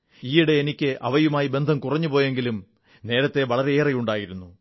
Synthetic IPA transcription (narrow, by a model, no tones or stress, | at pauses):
iːiɽeːnikʲːɨʔɐ̰ʋɐjumaːjibe̞nd̪ʱɐmkurɐɲːupo̞ːje̞ŋɡilum | ne̞ːɾɐt̪ːe̞ʋɐɭɐɾe̞eːrɐjuɳɖaːjiɾunːu